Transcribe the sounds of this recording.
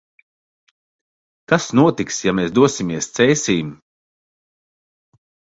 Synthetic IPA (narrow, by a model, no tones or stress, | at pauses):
t̪asnuɔt̪iksjamɛːsd̪uɔsimiɛst̪sɛjsʲiːm